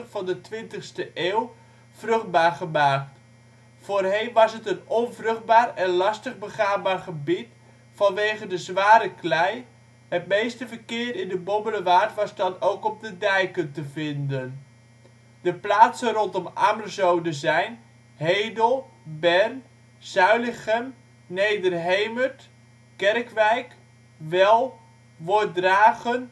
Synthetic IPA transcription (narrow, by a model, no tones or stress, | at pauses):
vɑndətʋɪntəχstəʔeːw | v̥rɵχd̚baːrχəmaːkt | foːrɦejnʋɑsɦətənɔnvrɵχd̚baːrɛnlɑstəχbəχaːbaːrχəbit | fɑnʋejχəndəzʋaːɾəklɛj | ɦət̚mejstəvərkɪːərɪndəbɔbələʋaːrtʋɑzdɑnowkɔb̚dədɛjkəntəvɪndən | dəplaːtsənrɔntɔma̰mərzowdəzɛjn | ɦejdəlˠ | bɛrn | z̥œɥlɪχɛm | nejdərɦejməɹt | kɛrkʋɛjk | ʋɛlˠ | ʋʊdraːχən